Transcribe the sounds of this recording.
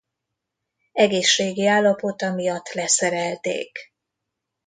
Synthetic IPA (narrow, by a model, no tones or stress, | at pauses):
ɛɡeːʃːeːɡiaːlːɒpo̞t̪ɒmijɒt̪ːlɛsɛɾɛlt̪ḛːk